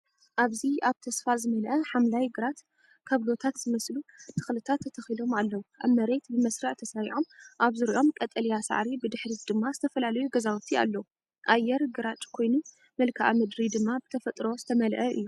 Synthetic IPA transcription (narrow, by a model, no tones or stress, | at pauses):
ʔaβziaβt̪ʰɐsfazɨmɐlʔɐħamlajɡɨɾat̪ | kʰɐβlo̞t̪ʰat̪z̥ɨmɐslut̪ʰɨ̥xlɨt̪ʰat̪ʰːɐt̪ʰɐxilo̞malːɐwuʔa̰βmɐɾe̞t̪bɨmɐsɾɐʕt̪ʰɐsaɾiʕo̞mʔaβzɨɾiʔo̞mkʼɐt̪ʼɐlijasa̰ʕɾibɨd̪ɨħɾid̪ɨmːazɨt̪ʰɐfɐlalɐjuɡɐzawut̪ʰia̰lːɐwu | ʔajːɛɾɡɨɾat͡ʃʼkʰo̞jnu | mɐlkʰaʔa̰mɨd̪ɾid̪ɨmːabɨt̪ʰɐfɐt̪ʼɾo̞zɨt̪ʰɐmɐlʔɐʔɨ̰jːu